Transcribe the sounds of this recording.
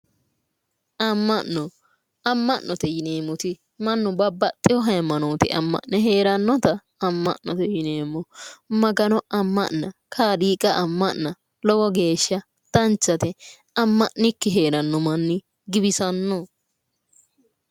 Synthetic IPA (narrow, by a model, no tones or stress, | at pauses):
ʔɐmːɐʔɔ | ɐmːɐʔːɔt̪ɛjɪneːmːʊt̪ɪ | mɐnːʊbɐbːɐt̪ʼːɪjɔɦɐjmːɐnoːt̪ɪʔɐ̰mːɐ̰ʔnɛɦe̞ːɾɐnːɔt̪ɐː | mːɐ̰ʔnɔt̪ɛjɪneːmːɔmɐɡɐnɔɐmːɐ̰ʔnɐkʰaːɗiːkʼɐʔɐmːɐʔːɐ | lɔɡɔɡe̞ːʃːɐ | t̪ɐnt͡ʃːɐt̪ɛ | ɐmːɐʔnɪkːɪɦe̞ːɾɐnːɔmɐnːɪ | ɡɪbɪsɐnːɔ